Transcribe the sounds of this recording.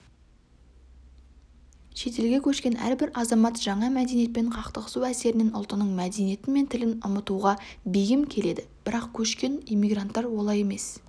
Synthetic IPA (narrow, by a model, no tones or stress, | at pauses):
ʃe̞t̪e̞lɡʲe̞kʲʰɵʃkʲe̞næ̰ɾbɪɾɑzɑmɑt̪ʒɑɴɑmæd̪e̞nije̞t̪̚peɴqʰɑqt̪əʁəsuæse̞ɾɪne̞nʊ̰lˠt̪ənəɴmæd̪enije̞t̪ɪnme̞nt̪ʰɪlɪnʊmət̪uʁɑbejɪmkʲʰe̞le̞d̪ɪb̥ɪɾɑqkʲʰɵʃkʲe̞nijmʲːijɡrant̪ːɑɾwo̞lˠɑje̞me̞s